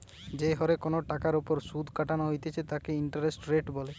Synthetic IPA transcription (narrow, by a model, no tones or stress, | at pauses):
d͡ʒeɦɔɾekonoʈakaɾopoɾsud̪ʱkaʈanoɦojt̪et͡ʃʰet̪akeiɳʈaɾesʈɾeʈbɔle